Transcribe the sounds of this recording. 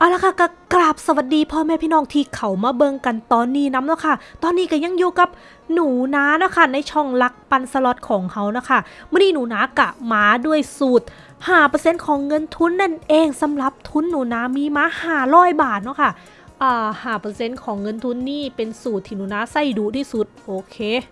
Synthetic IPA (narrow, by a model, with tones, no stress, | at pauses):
ʔa˧˨˩wla˧˥kʰa˧˥˩ka˧˩klaː˨˩p̚sa˧wa˨˩t̪̚diː˧pʰɔː˧mɛː˧˩pʰiː˧˥˨nɔː˧˥˩ŋt̪ʰiː˧˩kʰa˨˦wmaː˧bɤː˧ŋka˧nt̪ɔː˧nːiː˧˩na˧˦˥mnɔ˦˥˩kʰa˥˩t̪ɔː˧nːiː˧˥ka˧˩jɲa˧ŋjuː˧ka˨˩p̚ | nuː˩˦naː˦˥na˦˥kʰa˥˩na˧jt͡ɕʰɔː˧˩ŋla˦˥k̚pa˧nsa˧lɔ˨˦˩t̪̚kʰɔː˩˦ŋkʰa˦˥wna˦˥kʰa˥˩mɯː˧˥˨niː˧nuː˩˦naː˦˥ka˧˩maː˦˥du˥˩əjsuː˨˩t̪̚ | haː˧˩pɤː˧se˧˥˨nkʰɔː˨˩˦ŋːɤ˧nt̪ʰu˧˥nːa˥˩nʔeː˧ŋsa˨˦mɾa˨˩˦p̚t̪ʰu˧˥nːuː˨˩˦naː˦˥miː˧maː˦˥haː˧˩ɾɔː˥˩jbaː˨˩t̪̚nɔ˧˥kʰa˥˩ | ʔaː˨˧˩haː˨˩pɤː˧se˧˥nkʰɔː˩˦ŋːɤ˧nt̪ʰu˧˥nːiː˥˩pe˧nsuː˨˩t̪ʰːiː˧˩nuː˨˩˦naː˦˥sa˧˥˩jduː˨˦t̪ʰiː˧˥˩su˨˩t̪̚ʔoː˧kʰeː˧˥